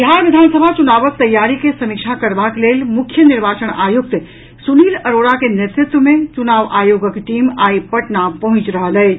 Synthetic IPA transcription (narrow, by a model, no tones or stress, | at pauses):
iɦaɾʋid̪ʱansəbʱat͡ʃunaʋək̚t̪əjːaɾikesəmik̚t͡ʃʰakəɾbaklelmukʰjəniɾbat͡ʃəɳajuk̚t̪ | suniːləɾoɽakenet̪ɾɪt̪wəmẽt͡ʃunaʋajoɡəkʈimaipəʈnapəɦʊ̃t͡ʃɾəɦəlɛ